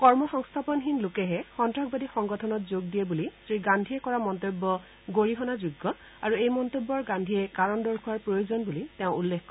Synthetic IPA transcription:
kɔɹmɔxɔŋst̪ʰapɔnxinlokɛɦɛxɔntɹɔk̚badixɔŋɡɔtʰɔnɔtzoɡ̚dijɛbulistɹiɡandʱijɛkɔɹamɔntobːɔ | ɡoɹiɦɔnazuɡːɔ | aɹuejmɔntobːɔɹɡandʱiɛkaɹɔndɔɹkʰuwaɹpɹojozɔnbulitɛʊ̃ulːekʰkːɔ

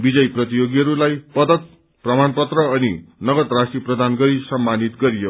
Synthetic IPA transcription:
bid͡zʌjprʌt̪ijoɡiɦʌɾulajpʌd̪ʌt̪̚ | prʌmanpʌt̪rʌʌnḭnʌɡʌt̪rasʈriprʌd̪ʱanɡʌɾisʌmːanit̪ɡʌɾijo

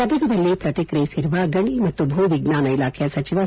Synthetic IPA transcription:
ɐd̪ɐɡɐd̪ɐlːipɾɐt̪ikɾejsiɾuʋaɡɐɳimɐt̪ːubʱuːʋiɡnaːnɐilaːkʰɛjɐsɐt͡ʃiʋɐ

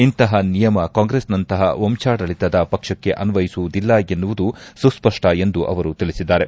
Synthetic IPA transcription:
int̪ɐɦɐnijɐmɐkaːŋɡɾesnɐnt̪ɐɦɐ̰omt͡ʃaːɽɐɭit̪ɐd̪ɐpɐkʂɐkːe̞ʔɐnʋɐjisuʋud̪ilːɐenːuʋud̪ususpɐʂʈɐe̞nd̪uʔɐ̰ʋɐɾut̪iɭisid̪ːaːɾe̞

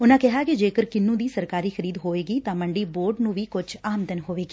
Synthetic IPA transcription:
ʊnãːkɛɦaːkid͡ʒeːkəɾkɪnːũːd̪iːsəɾkaːɾiːxʰəɾiːd̪ɦoːʋeːɡiːt̪ãːməɳɖiːboːɾɖnũːʋiːkʊd͡ʒaːmd̪ənɦoːʋeːɡiː

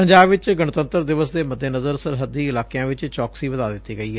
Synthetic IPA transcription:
pəɲd͡ʒaːbʋɪt͡ʃɡəɳt̪ə̃nt̪əɾd̪ɪʋəsd̪eːməd̪ːeːnəzəɾsəɾɦəd̪iːɪlaːkejãːʋɪt͡ʃt͡ʃɔːksiːʋəd̪aːd̪ɪt̪ːiːɡəiːɦɛ

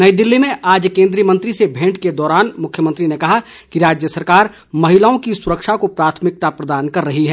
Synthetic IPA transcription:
nɐid̪ɪlːimẽʔaːd͡ʒkẽːnd̪ɾijəmɐ̃nt̪ɾisebʱẽːʈked̪ɔːɾaːnmʊkʰjəmɐ̃nt̪ɾinekɐɦa | kiɾaːd͡ʒjəsɐɾkaːɾ | mɐɦɪlaõkisʊɾəkʃakopɾaːt̪ʰmɪk̚t̪apɾɐd̪aːnkɐɾːɐɦiɦɛː

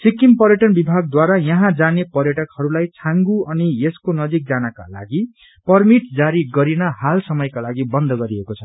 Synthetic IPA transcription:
sikːimpʌɾjʌʈʌnbibʱaɡ̚d̪waɾajʌɦãd͡zanepʌrjʌʈʌkhʌɾulajt͡sʰãŋɡuʌnieskonʌd͡zik̚d͡zanaka̰la̰ɡi | pʌrmiʈd͡zaɾiɡʌɾinʌhalsʌmʌjkalaɡibʌnd̪ʱʌɡʌɾiekot͡sʰʌ

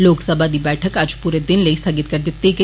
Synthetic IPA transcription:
loksəbʱad̪iːbɛʈʰəkad͡ʑpuɾed̪inleist̪ʰaɡit̪kəɾt̪et̪ːeke

